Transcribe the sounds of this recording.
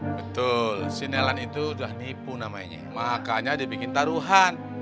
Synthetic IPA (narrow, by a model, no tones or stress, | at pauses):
bət̪ʊlsinelanit̪udahnipunama̰iɲa̰makaɲadibikɪnt̪aɾuɦan